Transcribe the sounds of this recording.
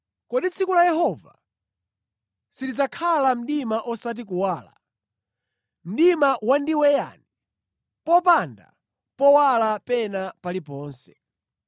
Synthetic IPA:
kɔɗit͡sʰikulajɛɦɔva | silid͡zakʰalam̩ɗimaʔɔsat̬ik̬uwaːla̰ | m̩ɗimawandiwɛja̰ni | pɔpanda̰ | pɔwalapɛnapalipɔːnsɛ̥

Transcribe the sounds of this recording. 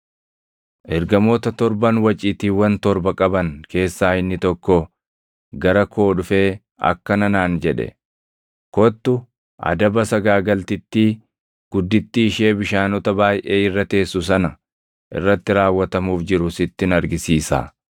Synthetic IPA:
ʔɛɾɡɐmoːt̪ɐt̪ɔɾbɐnwɐt͡ʃʼiːt̪iːwɐnt̪ɔɾbɐkʼɐbɐŋke̞ːsːaːɪnːɪt̪ɔkːɔ | ɡɐɾɐkʰo̞ːᶑʊfe̞ː | ɐ̰kːɐnɐnaːnd͡ʒɛᶑɛ̰ | kɔt̪ːʊ | ʔɐ̰d̪ɐbɐsɐɡaːɡɐlt̪ɪt̪ːiː | ɡ̥ʊd̪ːɪt̪ːɪːʃe̞ːbɪʃaːnɔt̪ɐbaːjʔe̞ːɪrːɐt̪e̞ːsːʊs̬ɐnɐ | ʔɪ̰rːɐt̪ːɪɾaːwːɐt̪ɐmuːfd͡ʒɪɾʊsɪt̪ːɪnɐɾɡɪsiːsa̰ː

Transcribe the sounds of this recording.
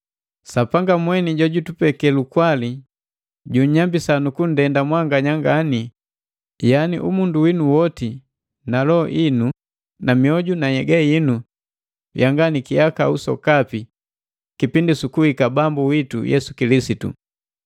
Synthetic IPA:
sapaŋɡamwɛniɟɔɟutupɛkɛlukwali | ɟuɲɲambisanukun̩dɛndamwaŋɡaɲaŋɡani | janḭʔumunduwinuwɔti | nalɔ̰ʔinu | namiɔɟunajɛɡajinu | jaŋɡanikijakausɔ̰kapi | kipindisukuhikabambuwitṵjɛ̰su̥kilisitṵ

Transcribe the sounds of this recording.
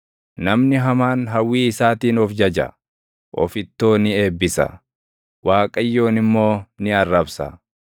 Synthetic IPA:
nɐmnɪɦɐmaːnɦɐwːiːɪsaːt̪iːnɔfd͡ʒɐd͡ʒɐ̰ | ʔɔ̰fɪt̪ːoːnɪe̞ːbːɪsɐ̰ | waːkʼɐjːo̞ːnɪmːo̞ːnɪɐrːɐbsɐ̰

